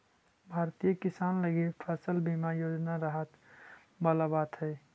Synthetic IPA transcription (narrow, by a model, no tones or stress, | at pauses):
bʱaːɾt̪ijəkɪsaːnləɡepʰəsəlbimajoːd͡ʒnaɾəɦət̪ | bəlabaːt̪ɦɛː